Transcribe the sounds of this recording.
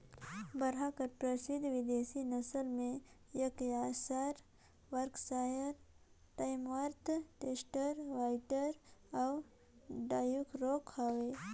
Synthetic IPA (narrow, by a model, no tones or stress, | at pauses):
bəɾɦakəɾpɾəsid̪ʱʋɪd̪esinəsəlmẽ | jɐkjasaɾ | ʋəɾksajəɾ | ʈajmʋaɾt̪ʰʈesʈəɾʋajʈəɾaw | ɖaːjukɾokaʋe